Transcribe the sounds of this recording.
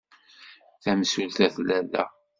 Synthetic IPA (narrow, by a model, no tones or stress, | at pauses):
θæmsulθæθlælːæ̰